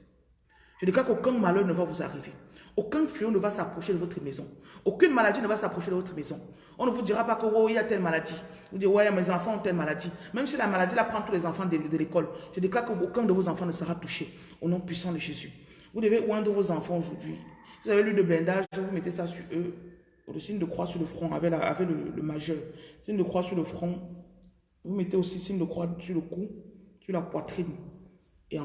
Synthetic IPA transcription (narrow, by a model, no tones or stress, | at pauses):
ʒ̥əd̪ekakəokɛ̃malœʁnəvavuza̰ʁiveokɛ̃feõnəvasapχoʃedəvot̪χəmɛzɔ̃okynmaladinəvasapʁoʃedəvot̪χəmɛzɔ̃ | ɔ̃nəvud̪iʁapakəwoiat̪ɛlmaladi | vud̪iwajamɛzɑ̃fɑ̃ɔ̃t̪ɛlmaladimɛ̃msilamalad̪ilapʁɑ̃t̪ulɛzɑ̃fɑ̃d̪əlekɔlʒ̥ədeklakəokɛ̃d̪əvozɑ̃fɑ̃nəsəʁat̪uʃe | onɔ̃pɥisɑ̃d̪əʒezy | vud̪əveɛ̃d̪əvozɑ̃fɑ̃oʒuʁd̪ɥḭvuzavelyd̪əblɛ̃d̪aʒʒɛ̃vumɛt̪esasyø | ləsind̪əkχwasyʁləfχɔ̃a̰vɛlaa̰vɛlələ̰maʒœːʁsind̪əkχwasyʁləfχɔ̃ | vumɛt̪eosisind̪əkwasyʁləkusyʁlapwat̪χin | ẽ